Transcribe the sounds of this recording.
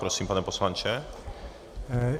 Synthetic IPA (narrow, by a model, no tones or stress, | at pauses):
pɾosimpanɛposlaɲt͡ʃɛ